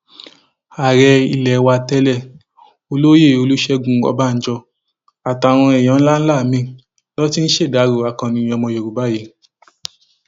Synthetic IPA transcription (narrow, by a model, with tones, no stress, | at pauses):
a˨ɾɛ˧i˧˨lɛ˨˦wa˧tɛ˦lɛ˦˨ | o˧lo˦je˦˨o˧lu˦ʃɛ˧ɡũ˧˦ɔ̰˧ba˦n̩˨˦d͡ʒɔ˧ | a˨ta˨w̃ɔ̃˧ɛ˨j̃ɔ̃˨˦n̩˦la˦n̩˦la˦˨mĩ˦ | lɔ˦ti˦ñ̩˦ʃe˦˨da˨˦ɾo˨a˨kã˧nĩ˧ɔ˧mɔ̃˧jo˨ɾu˨ba˨˦je˨˧